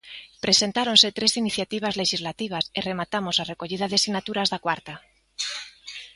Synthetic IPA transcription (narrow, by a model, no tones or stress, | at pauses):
pɾe̞se̞nt̪aɾõ̞nse̞t̪ɾe̞siniθjat̪iβ̞azle̞ʃizlat̪iβ̞asere̞mat̪amo̞sare̞ko̞ʎiðaðesiɣnat̪uɾazðakwaɾt̪a